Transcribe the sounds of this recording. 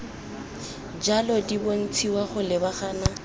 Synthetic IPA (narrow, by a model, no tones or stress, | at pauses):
d͡ʒalɔdibon̩t͡sʰiwaχʊlɪbaχaːna